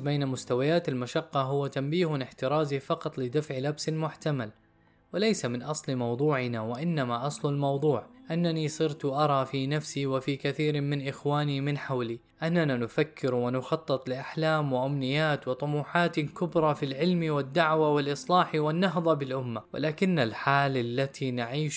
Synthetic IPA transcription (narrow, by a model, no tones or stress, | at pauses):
beːnamʊst̪awajaːt̪almaʃɑqːɑɦʊwːat̪ambiːhʊɪnɪħt̪ɪɾˤɑːzifɑqɑt̪ˤlɪd̪afʕlabsalmʊħt̪amal | wɪlajsamɪnʔɑsˤlmɑwd̪ˤuːʕɪnawaʔɪnːamaʔɑsˤlʊlmɑwd̪ˤuːʕʔanːanisˤɨɾt̪ʔɑɾˤɑːfiːnafsiwɪfiːkaθiːɾmɪnʔɪxwaːnimɪnħawli | ʔanːananʊfakːɪɾwɪnʊxɑt̪ˤːɨt̪ˤlɪʔaħlaːmwɪʔamnɪjːaːt̪wɪt̪ˤʊmuːħaːt̪kʊbɾˤɑfilʕɪlmiwɪd̪ːaʕwawɪlʔɨsˤlɑːħiwɪnːɑɦðˤɑbɪlʔʊmːawɪ̰laːkɪnːalħaːlalːat̪ʰinaʕiːʃ